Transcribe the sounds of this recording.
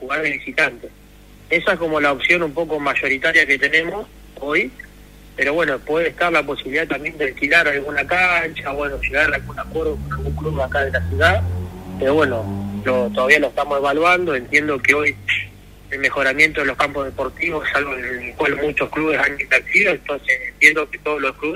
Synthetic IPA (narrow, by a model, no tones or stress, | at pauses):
xuɣaɾðeβisit̪ant̪es | esaesko̞mo̞laopsjo̞numpo̞ko̞maʃo̞ɾit̪aɾjaket̪e̞ne̞mo̞s | o̞j | pe̞ɾo̞βwe̞nopwe̞ðeht̪aɾlaposiβiliðaet̪ambje̞nd̪elkilaɾalɣunakant͡ʃaβwe̞noʃe̞ɣaɾalɣunakwe̞ɾðokonalɣuŋkluβakaðelasjuðapeɾo̞βwe̞no̞lot̪oðaβialoeht̪amose̞βalwand̪o̞e̞nt̪je̞nd̪o̞keo̞j | e̞lme̞xo̞ɾamje̞nt̪oelokampozðe̞po̞ɾt̪iβosesalβoelkwalmut͡ʃoskluβe̞sanimbeɾt̪iðoent̪onsesent̪jend̪oket̪o̞ð̞olohkluβes